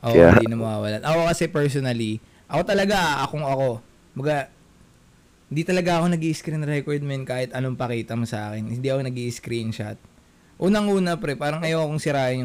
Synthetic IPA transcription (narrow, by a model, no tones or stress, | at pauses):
ʔoʔad̪inɐmɐwaːwɐlanʔɐkokɐsɛpɛɹsonɐli | ʔɐko̞t̪ɐlɐɡaʔɐkoŋɐko̞ | kmbɐɡa | ɪnd̪iːt̪ɐlɐɡaʔɐko̞nɐɡiːʔɪskɾinɾɛkoɹd̪̚mɛnkaːhɪt̪ɐno̞ŋpɐkiːt̪ɐmʊsɐʔa̰ːkɪnhɪnd̪iʔɐkonɐɡiːʔɪskɾint͡ʃa̰t̪̚ | ʔuːnɐŋʔuːnɐpɾɛpaːɾɐŋʔɐjowɐkoŋsɪɾaːʔɪn